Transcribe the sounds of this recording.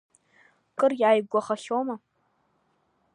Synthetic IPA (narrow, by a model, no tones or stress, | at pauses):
kʼɨrjaːjɡʷɔχɐɬoːmɐ